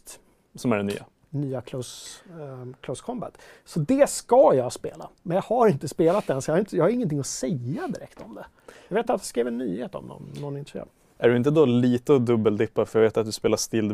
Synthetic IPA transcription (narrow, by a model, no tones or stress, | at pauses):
t̪ | sɔmæɖɛny̰ːa̰ | nyːakʰlɵs | kʰlɵskʰɔmba̰t̪sɔd̪ɛskajɑspḛːlamɛnjɑɡhaɾɪnt̪əspeːlat̪̚d̪ɛnsɔjɑhaɾɪnt̪əjɑːhaɾɪŋːənt̪ʰɪŋːɔsɛjːad̪ɪɾɛ̰kt̪ɔmd̪ɛ | jɑɡveːt̪at̪d̪ɛskɾeːvɛnːyːheːt̪ɔ̰mnɔ̰nːɔnːɪnt̪ɾsjø̰ː | æɖɵɪnt̪̬əd̪ɔliːt̪əɔd̪ɵbːəld̪ɪpːafœjɡveːt̪at̪̚d̪ɵspeːlaʂt̪ɪld̪